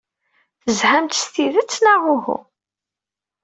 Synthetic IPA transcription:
θəzhæmt̪st̪iðət͡sːnaʁʊhṵ

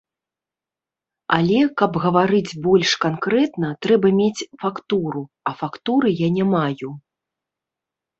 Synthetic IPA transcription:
alʲɛkɐbɣɐvaɾɨd͡zʲbɔlʲʂkankɾɛt̪nɐt̪ɾɛbɐmʲet͡sʲfakt̪uɾu | ɐfakt̪uɾɨjanʲamaju

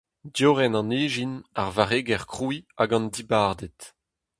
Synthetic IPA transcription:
djoʁɛnɑ̃neːʒinaʁvaʁeːɡɛʁkχuiaɡɑ̃ndibaʁd̪ɛt

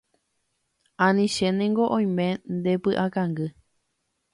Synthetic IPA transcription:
ãnĩʃẽnẽŋɡoʔõj̃mẽ̞nd̪e̞pɨʔakãŋɡɨ

